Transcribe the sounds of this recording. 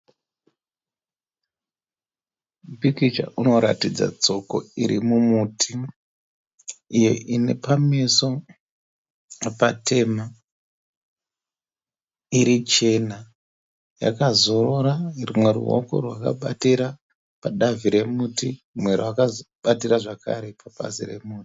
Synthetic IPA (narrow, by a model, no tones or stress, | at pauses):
bikit͡ʃa̰ʔuno̞ɾa̰tid͡za̰t͡so̞ko̞̰iɾimumutʰi | jo̰ʔine̞pameso̞ | patʰe̞ma | iɾit͡ʃe̞na | ja̰kazo̞ɾo̞ɾarumwe̞rṵɦo̰ko̞̰rwaka̰ɓatiɾa | paɗaviɾe̞muːti | mwe̞ɾowakaɓatiɾaʐaka̰ɾe̞paɓa̰sire̞̰muːti̥